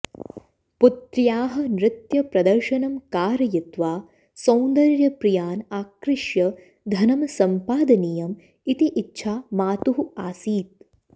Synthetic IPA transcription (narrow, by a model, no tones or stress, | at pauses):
put̪ɾjaːɦɐ̆nɾɪt̪jɐpɾɐd̪ɐɾʃɐnɐmkaːɾɐjit̪ʋaː | sɐ̃wnd̪ɐɾjɐpɾijaːnaːkɾɪʃjɐ | d̪ʱɐnɐmɐsɐmpaːd̪ɐnijɐm | it̪iʔitːʃʰaːmaːt̪uɦuaːsiːt̪̚